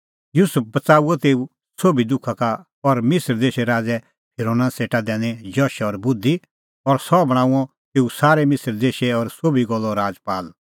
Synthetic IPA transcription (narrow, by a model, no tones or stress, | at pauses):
juːsʊp̚bɐt͡saːuɔt̪eːu | soːbid̪ʊkʰaka | ɔɾmɪsəɾd̪eːʃɛɾaːd͡zɛ | pʰɪɾoːnaseːʈad̪ɛ̃ːnɛd͡ʒɔːʃɔɾbʊd̪i | ɔɾsɔbɐɽ̃ãːũɔ̃ | t̪eːusaːɾɛmɪsəɾd̪eːʃɛɔɾsoːbiɡɔlːɔɾaːd͡zpaːl